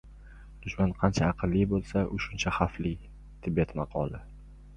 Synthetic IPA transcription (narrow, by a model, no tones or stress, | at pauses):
d̪̥ʊʃmanqʰɑnt͡ʃʰaːqʰɨlˠːijbolˠsaʔʊʃʊnt͡ʃʰaχafli | t̪ʰɪbet̪mɑqʰɒ̰lˠɪ